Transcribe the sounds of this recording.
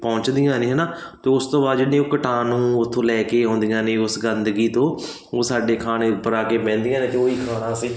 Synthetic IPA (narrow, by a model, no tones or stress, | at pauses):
pɔ̃ːɲt͡ʃd̪ɪjãːnẽːɦɛnaːt̪eːʊst̪õːbaːd̪d͡ʒɪɽẽːokəʈaːnũːʊt̪ʰːõːlɛːkeːɦõːnd̪ɪjãːnẽːʊsɡənd̪ɡiːt̪õː | oːsaːɖeːkʰaːɽ̃eːpːəɾaːkeːpɛ̃ːnd̪ɪjãːneːk̪eoːiːkʰaːɽãːsiː